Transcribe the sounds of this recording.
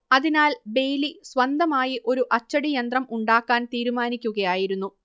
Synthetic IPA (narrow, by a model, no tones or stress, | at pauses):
ɐðinaːlbe̞jlisʋɐnd̪ɐmaːjiʔo̞ɾuʔɐt͡ɕːɐɽijɐnd̪rɐmuɳɖaːkːaːnt̪iːɾumaːnikʲːuɣɐjaːjiɾunːu